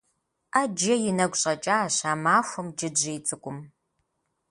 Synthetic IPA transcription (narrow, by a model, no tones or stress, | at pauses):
aːd͡ʒɐjɪnɐɡʷɕʼɐt͡ʃʼaːɕaːmaːxʷʊmd͡ʒɪbʑɐjt͡sʼɨkʷʼʊm